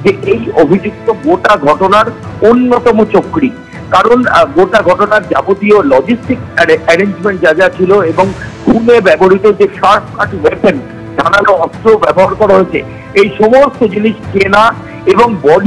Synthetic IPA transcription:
d͡ʑeʔejobʱid͡ʑuk̚t̪oɡoʈaɡʱɔʈonaɾ | onːot̪ɔmot͡ɕokɽi | kaɾonɡoʈaɡʱɔʈonaɾd͡ʑa̰bot̪iolɔd͡ʑisʈikɛɾend͡ʑmeɳʈ̚d͡ʑad͡ʑat͡ɕʰiloeboŋɡʱunebɛboɾit̪od͡ʑeʃaʈka̰ʈwepen | d̪ʱa̰nanoɔst̪ɾobɛ̰boɦaɾkɔɾaɦoet͡ɕʰḛ | ejʃɔmost̪od͡ʑiniʃt͡ɕena | eboŋbɔɖ

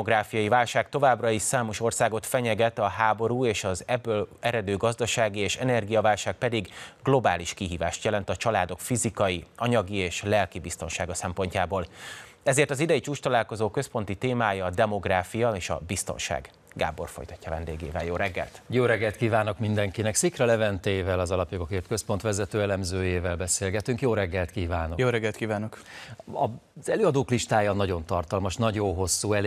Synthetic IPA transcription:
oɡɾaːfijɒjivaːlʃaːkt̪o̞vaːbrɒiʃsaːmo̞ʃo̞rsaːɡo̞t̪fɛɲɛɡɛt̪ɒɦaːbo̞ɾuːeːʃɒzɛbːølɛɾɛd̪øːɡɒzd̪ɒʃaːɡieːʃɛnɛrɡijɒvaːlʃaːk̚pɛd̪iɡɡlo̞baːliʃkiɦiːva̰ːʃt̪jɛlɛnt̪ɒt͡ʃɒlaːd̪o̞kfizikɒjiɒɲɒɡieːʃlɛlkibist̪o̞nʃaːɡɒsɛmpo̞ɲcaːboːlɛzeːrt̪ɒzid̪ɛjit͡ʃuːt͡ʃt̪ɒlaːlko̞zoːkø̞spo̞nt̪it̪eːmaːjɒːd̪ɛmo̞ɡraːfijɒeːʃɒ̰bist̪o̰nʃa̰ːɡ | ɡa̰ːbo̞̰rfojt̪ɒcːɒvɛ̰nd̪eːɡḛːvɛljoːɾɛɡːɛ̰lt̪joːɾɛɡːɛlt̪kiːvaːno̞kmind̪ɛŋkinɛksikrɒlɛvɛnt̪eːvɛlɒzɒlɒpjoɡo̞keːrt̪køspo̞nt̪ʋɛzɛt̪øːɛlɛmzøːjeːvɛlbɛseːlɡɛt̪yŋkjoːɾɛɡːɛlt̪kiːvaːnojoːɾɛɡɛlt̪kiːvaːnokɒz̥ɛløːɒd̪oːkliʃt̪aːjɒnɒɟo̞nt̪ɒrt̪ɒlmɒʃnɒɟo̞nɦo̞sːuːɛl

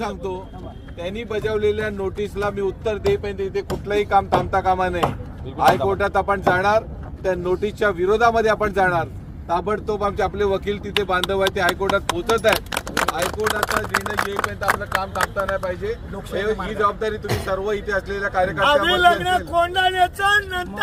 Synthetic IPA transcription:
sãŋɡt̪o | t̪janiːbəd͡zəʋleljanoʈislamiːut̪ːəɾd̪epəɦə̃nt̪eit̪ʰekuʈlaɦiːkamt̪amt̪akamanaɦji | ɦajkoɾʈat̪apəɳd͡zaɽ̃aɾ | t̪janoʈist͡ɕjaʋiɾod̪ʱaməd̪ʱːjeapəɳd͡zaɽ̃aɾ | t̪abəɽt̪opamt͡ɕeapleʋəkiːlt̪it̪ʰebãnd̪ʱəʋajt̪eɦajkoɾʈat̪ɦot̪ət̪ajeɦajkoɾʈat̪ad͡ʑenəlɡeipəjə̃nt̪əaplakamt̪amt̪anajpaɦid͡ʑe | eɦiːd͡zəʋab̚d̪aɾiːt̪um̤iːsəɾʋəit̪ʰeəsleljakaɾjəkəɾamelaɡɳakoɳɖalat͡sanna

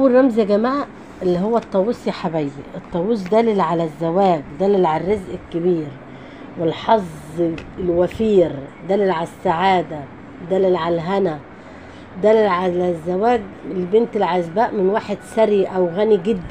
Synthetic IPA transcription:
ʔwrˤːɑmzæɡæmaːʕaʔ | elːiɦowːæt̪ˤːɑwːesjaħabæjːiʔet̪ˤːɑwus̬d̪æːlɪlʕalæzːæwæːɡd̪æːlːelʕalærˤːɑzʔɪkːɪbiːɾ | wɪlħɑzˤlwæfiːɾd̪æːlːelʕalæsːaʕaːd̪æ | d̪æːlːelʕalælɦænæ | d̪æːlːelʕalæzːæwæːɡelbent̪elʕazbæːʔmɪnwaːħed̪sæɾiʔæwɣæniɡɪd̪ːæ

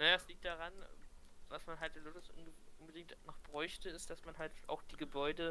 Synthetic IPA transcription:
najaːɛsliːk̚t̚d̥aʁanvasmanɦaltd̥elʊtʊsʔʊ̰nəʔʊnbədɪŋk̚tnɔχb̥ʁɔʏçtəɪstd̥asmanɦaltʔa̰ʊxd̥iːɡəbɔʏdə

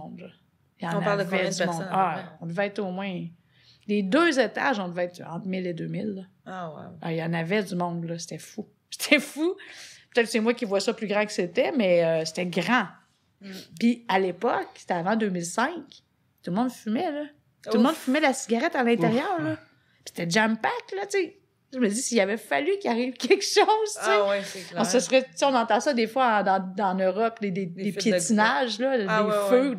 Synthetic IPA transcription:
d̪lɔ | jɑ̃ñalvɛzmɔ̃daɔ̃d̪əvɛɛt̪omwɛ̃ | led̪øzet̪a̰ʒɔ̃d̪əvɛt̪ɑ̃t̪χmɪled̪øːmɪlːɔ | w̰a̰jɑ̃ːnavɛd͡zymɔ̃d̪lʌse̥t̪ɛfu | se̥t̪ʰɛfupøt̪ɛt̪kəsɛmwakʲivwasʌplyɡʁɑ̃kə̥set̪ɛmɛøse̥t̪ɛɡʁɑ̃ | pialepɔkse̥t̪ɛavɑ̃d̪øːmilsɛ̃k | t̪ulmɔ̃d̪fymɛlɔ | t̪ulmɔ̃d̪fymɛlasiɡʲaʁɛt̪alɛ̃t̪eʁjœːʁlɔ | pi̥se̥t̪ɛd͡ʒampaklɔt͡se | ʒəməd͡zisilavɛfalykʲjaʁiːvkʲɛlkʃɔzewlɔ̃səsʁɛt͡seɪɔ̃nɑ̃t̪ɑ̃sʌd̪efwaɑ̃d̪ɑ̃d̪ɑ̃nøʁɔpd̪ed̪ed̪epjet͡s̪inaʒlʌd̪efø

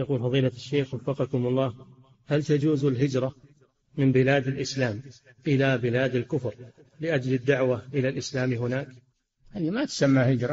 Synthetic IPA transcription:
jɑquːlfɑðˤiːlaaʃːeːxwɑfːɑqɑkʊmɑlˤːɑːh | halt̪ad͡ʒuːzɪlɦɪd͡ʒɾˤɑ | mɪmbɪlaːd̪ɪlʔɪslaːm | ʔɪlabɪlaːd̪alkʊfɾ | lɪʔad͡ʒlɪd̪ːaʕwaʔɪlalʔɪslaːmɦʊnaːk | haːðimat̪samːahɪd͡ʒɾˤɑ

